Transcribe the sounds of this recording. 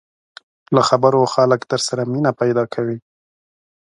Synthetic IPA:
laxabəɾoxaləkt̪əɾsaɾaminapajd̪ɑkʰawi

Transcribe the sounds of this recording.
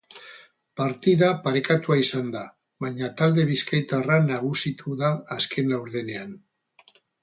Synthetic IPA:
paɾt̪iðapaɾekat̪uaisand̪a | βaɲat̪ald̪e̞βiskajt̪aranaɣ̞usit̪ʰuðaːskʰe̞nlawɾðe̞ne̞an

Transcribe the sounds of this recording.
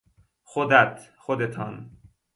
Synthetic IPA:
xod̪æt̪xod̪et̪ʰɒn

